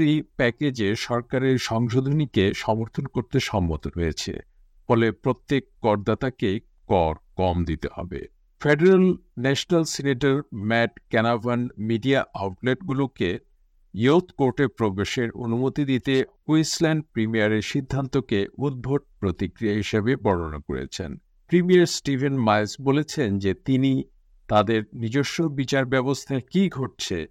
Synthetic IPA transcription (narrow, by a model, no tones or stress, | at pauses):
ɾipɛked͡ʑeʃɔɾkaɾeɾʃɔŋʃod̪ʱonikeʃɔmoɾt̪ʰonkoɾt̪eʃɔmːot̪oɾoet͡ɕʰḛ | fɔlepɾot̪ːekːɔɾd̪at̪ake | kɔɾkɔmd̪it̪ehɔ̰bḛ | feɖeɾalnɛʃonalseneʈaɾmɛʈkɛnabʱanmiɖiaʔawʈleʈɡuloke | jot̪ʰkoɾʈeɾpɾobeʃeɾo̰numot̪id̪it̪e | uislɛɳɖ̚pɾimijaɾeɾʃid̪ʱːant̪okeud̪̚bʱoʈ̚pɾot̪ikɾiaɦiʃebebɔɽo̰na̰ko̰ɾḛt͡ɕʰḛn | pɾimijaɾsʈibʱenmajsbolet͡ɕʰend͡ʑet̪ini | t̪ad̪eɾnid͡ʑoʃːobit͡ɕaɾbɛbost̪ʰakiɡʱoʈ̚t͡ɕʰḛ